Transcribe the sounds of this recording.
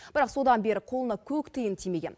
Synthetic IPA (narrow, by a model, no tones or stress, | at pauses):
b̥ɪɾɑqso̞d̪ɑnbe̞ɾɪqʰo̞lˠənɑkʲʰɵkt̪ʰəjənt̪ʰijme̞ɡʲe̞̰n